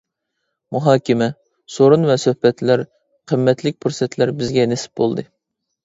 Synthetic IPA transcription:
muɦɑːkʲɪmɛ | soɾunvɛsøhpɛt̪læɾ | qʰəmːɛt̪lɪk̚ʲpʰuɾsɛt̪ʰlæɾbɪzɡʲɛnesɪ̥p̚bolˠd̪ɨ

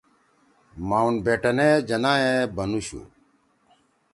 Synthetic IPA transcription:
maːunbeːʈɐned͡ʑɐnãːɦẽbɐnuɕṵ

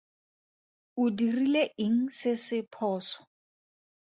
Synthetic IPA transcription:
ʊdirileɪŋ̩sɪsɪpʰɔːsɔ̥

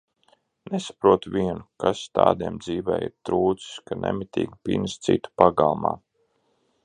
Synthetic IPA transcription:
nesḁpɾuɔt̪uvʲiɛnukast̪aːd̪iɛmd̪ziːvɛ̰ːjiɾt̪ɾuːt̪si̥skanʔɛ̰mit̪ʲiːɡpinst̪sḭt̪u̥paɡalˠma̰ː

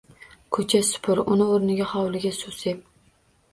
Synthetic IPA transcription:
kʰɵt͡ʃʰasʊ̥pʰʊɾʊnɪoɾnɪɡʲaχɑwlɪɡʲasosep

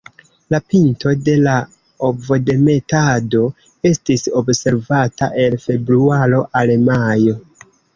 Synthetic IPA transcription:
lapinto̞de̞la | obvo̞de̞me̞tado̞ | e̞stiso̞bse̞ɾvataʔe̞lfe̞bɾuaɾo̞ʔalemajo̞

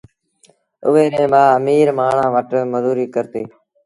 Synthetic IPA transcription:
ʊ̰ʋeːɾẽːmãːəmiːɾmaːɳ̤ãːʋəʈməzuːɾiːkəɾt̪eː

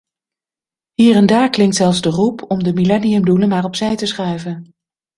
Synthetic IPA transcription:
ɦiːrɛndaːɹklɪŋktsɛlˠfzdərupʰɔmdəmilɛniɵmdulənmaːɹɔpsɛjtəsχœɥvən

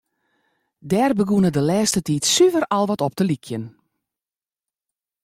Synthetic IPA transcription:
dɛrbəɡunədəlɛːstətiːtsyvərɑlˠʋɔtɔp̚d̥əlikʰjən

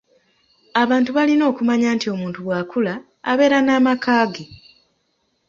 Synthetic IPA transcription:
aβaːntuβalino̞ːkumaɲaːntio̞muːntuwaːkula̰ː | βe̞ːɾanaːmakaːɡe

